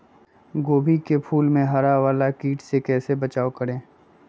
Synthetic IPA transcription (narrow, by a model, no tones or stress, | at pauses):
ɡoːbʱikepʰuːlmẽɦaɾaʋaːlakiːʈsekɛːsebɐt͡ʃaːokəɾẽː